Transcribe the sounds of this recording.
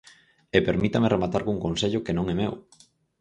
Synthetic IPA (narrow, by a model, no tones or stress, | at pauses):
epeɾmit̪amerʔemat̪aɾɣuŋkonseʎʊkenõŋɛmew